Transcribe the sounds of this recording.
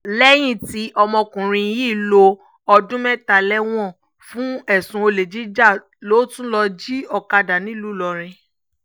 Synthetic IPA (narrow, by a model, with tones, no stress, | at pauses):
lɛ˦j̃ĩ˦˨ti˦ʔɔ˧mɔ̃˧kũ˨ɾ̃ĩ˧˦ji˦˨lo˧ | ɔ˧dũ˦mɛ˦˨ta˧˨lɛ˦w̃ɔ̃˦˨ | fũ˦ɛ˦˨sũ˧o˧le˨d͡ʒi˦d͡ʒa˦˨ | lo˨˦tũ˦lɔ˧d͡ʒi˦ɔ˨ka˧da˨nĩ˨˦lu˨˦lɔ˨˧ɾ̃ɛ̃˧